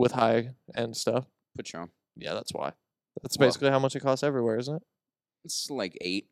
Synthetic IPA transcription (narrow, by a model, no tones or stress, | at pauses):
wɨð̥haɪɨ̃nstʌf | pʰʊt͡ʃɔ̰ | jæ̰ðæ̰tswa̰ɪ | ðætsb̥eɪsɪ̥klihaʊmʌt͡ʃɨkʰɔstɛvɹiwɛɹɪzn̩tɪt̚ | ɪtslaɪkḛɪt̚